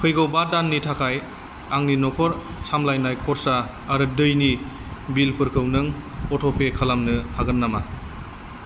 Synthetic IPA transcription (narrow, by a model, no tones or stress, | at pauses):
pʰɯjɡɔwbadanːitʰakʰaj | aŋninɔkʰɔɾ | samlajnajkʰɔɾsaː | ɾɯdɯjni | bilpʰɯɾkʰɯwnɯŋ | ɔtʰɔpʰekʰalamnɯhaɡɯnːama